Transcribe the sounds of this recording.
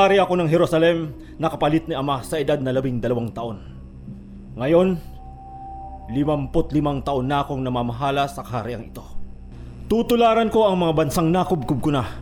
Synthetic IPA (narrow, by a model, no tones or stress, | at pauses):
aɾɪʔɐko̞nɐŋɦɛɾosɐlɛm | nɐkɐpɐlɪt̪̚niʔɐmasɐʔɪd̪ad̪̚nɐlɐbiŋd̪ɐlɐwaŋt̪ɐʔo̞n | ŋɐjo̞n | lɪmɐmpot̪lɪmaŋt̪ɐʔo̞nːako̞ŋnɐmamɐɦaːlɐsɐkɐhaɾɪʔɐŋɪt̪o̞ | t̪ut̪ʊlaːɾɐnko̞ʔɐŋmɐŋabɐnsaŋnaːkob̚kʊb̚kʊna